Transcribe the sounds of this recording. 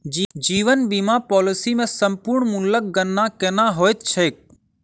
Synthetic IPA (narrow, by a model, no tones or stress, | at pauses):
d͡ʒd͡ʒiːʋənbimãpɔːlɪsimẽsəmpʊɾɳmʊnlək̚ɡənːakeːnaːɦoːɪt̪̚t͡ʃʰeːk̚